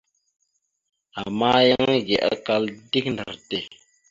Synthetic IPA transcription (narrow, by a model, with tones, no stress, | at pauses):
a˨ma˦jə˦ŋ˦ɡɛ̰˨ʔa˦ka˦ldi˦k̚ndə̰˨ɾte˦˨